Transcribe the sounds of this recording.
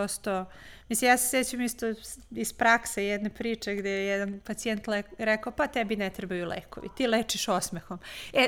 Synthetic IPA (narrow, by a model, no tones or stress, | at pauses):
ost̪omislimjaːseset͡ɕuemist̪o | ispɾaksejɛd̪nepɾiːt͡ʂeɡd̪ejejɛd̪anpat̪sient̪leɾekaopat̪ɛbinɛt̪ɾebajulḛːko̰ʋḭt̪iːleːt͡ʃiʃosmexome